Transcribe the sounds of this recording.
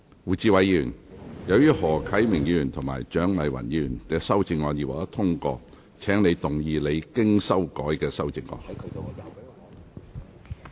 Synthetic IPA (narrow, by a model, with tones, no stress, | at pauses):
wuː˨˩t͡siː˧wɐ˨˥jjyː˨˩njɐ˨˧wjyː˥hɔː˨˩kʰɐ˨˥jmɪ˨˩ŋjiy˧yː˨˩nt̪ʰʊ˨˩ŋma̰ː˨˩jt͡ʃœː˨˥ŋlɐ˨˩jwɐ̰˨˩njiː˧˨y˨˩nkɛː˧sɐ˥wt͡sɪ˧ŋːɔː˧njiː˨waː˨˩t̪ɐ˥t̪ʰʊ˥ŋkɔ̰ː˧ | t͡sʰɛː˨˥ŋne˨˧jt̪ʊ˨˩ŋjiː˧le˨˧jkɪ˥ŋsɐ˥wkɔː˨˥jkɛː˧sɐ˥wt͡sɪ˧ŋːɔ̰ː˧˥n˧˨˧